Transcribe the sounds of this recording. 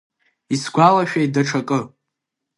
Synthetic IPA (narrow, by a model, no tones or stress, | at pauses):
isɡʷalaʃᶣaj̚daʈ͡ʂʰakʼɨ